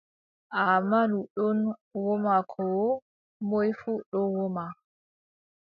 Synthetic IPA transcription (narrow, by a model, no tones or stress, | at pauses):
ʔamaluɗɔnwɔmakʰɔ | mɔjfuɗɔnwɔma